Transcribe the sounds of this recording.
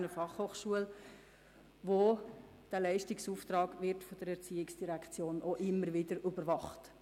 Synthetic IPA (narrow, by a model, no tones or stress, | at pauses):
nəfɑχhoːχʃuəl | ʋo | d̥ælɛɪʃtɪksuːft̪ɾɑːɡʋɪɾtfɔd̥əɾɛɾt͡siːɪksd̥iɾækʰt͡sjoːnoʔɪmːəɾʋɪdəɾʏbəɾʋɑχt